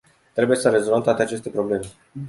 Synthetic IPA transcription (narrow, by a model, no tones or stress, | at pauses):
t̪ɾe̞buje̞səɾe̞zolvəmt̪wat̪e̞at͡ʃe̞st̪e̞pɾo̞ble̞me̞